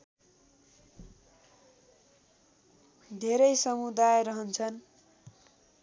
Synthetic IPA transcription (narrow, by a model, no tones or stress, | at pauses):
d̪ʱeɾʌjsʌmud̪ajɾʌɦʌnt͡sʰʌn